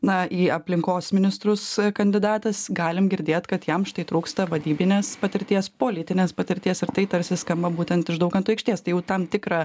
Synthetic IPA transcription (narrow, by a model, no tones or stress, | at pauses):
nɐiːɐpʲlʲɪŋkoːsmʲɪnʲɪst̪ɾʊskɐnʲd̪ʲɪd̪ɑːt̪ɐsɡɑːlʲɪmɡʲɪɾʲd̪ʲeːt̪kɐt̪jɛmʃt̪ɐɪt̪ɾuːkst̪ɐʋɐd̪ʲiːbʲɪnʲeːspɐt̪ʲɪɾʲt̪ʲiɛspoːlʲɪt̪ʲɪnʲeːspɐt̪ʲɪɾʲt̪ʲiɛsɪɾt̪ɐɪt̪ɐɾʲsʲɪskɐmbɐbuːt̪ʲɛnt̪ɪʃd̪ɐʊkɐnt̪uːɛɪkʃʲt̪ʲiɛst̪ɐɪjɛʊt̪ɐmt̪ʲɪkɾɐ